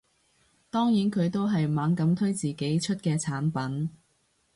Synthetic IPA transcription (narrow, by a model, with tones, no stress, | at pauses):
t̪ɔː˥ŋjiː˨˥nkʰɵ˨˧ɥt̪o˥wɦɐ˨jmaː˨˥ŋkɐ˨˥mt̪ʰɵ˥ɥt͡siː˨ke˨˥jt͡ʃʰɵ˥t̚kɛː˧t͡sʰaː˨˥npɐ˨˥n